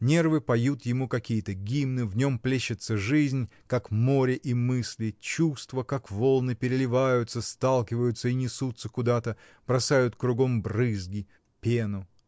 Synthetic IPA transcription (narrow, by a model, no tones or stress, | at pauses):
nʲe̞rvɨpɐjut̪jɪmukɐkʲijət̪əɡʲimnɨvnʲo̞mplʲeɕːɪt̪səʐɨzʲnʲ | kakmo̞ɾʲɪʔimɨsʲlʲɪt͡ɕust̪vəkakvo̞lˠnɨpʲɪɾʲɪlʲɪvajʊt̪səst̪alˠkʲɪvəjʊt̪səinʲɪsut̪sːəkʊd̪at̪ə | b̥ɾɐsajʊt̪kɾʊɡo̞mbrɨzɡʲɪ | pʲenʊ